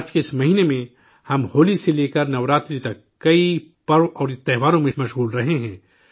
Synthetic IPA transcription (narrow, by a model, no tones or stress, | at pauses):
ɾt͡ʃkeɪsmɐɦiːnemẽ | hɐmhoːliseleːkəɾnɐʋɾaːt̪ɾit̪ɐkːɐipɐɾõʔɔːɾt̪ɛɦʋaːɾõmẽmɐʃɣuːlɾɐɦeɦɛ̃ː